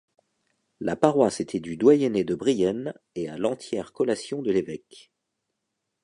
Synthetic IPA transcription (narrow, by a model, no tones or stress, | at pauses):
lapaʁwaset̪ʰɛd̪yd̪wajɛned̪əbʁijɛn | ealɑ̃t̪jɛʁkɔlasjɔ̃d̪əlevɛk